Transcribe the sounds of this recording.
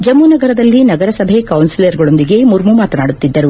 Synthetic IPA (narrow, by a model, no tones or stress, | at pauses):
d͡ʒɐmːunɐɡɐɾɐd̪ɐlːinɐɡɐɾɐsɐbʱe̞kɐwnsilejɐɾɡɐɭo̞nd̪iɡe̞muɾmumaːt̪ɐnaːɽut̪ːid̪ːɐɾu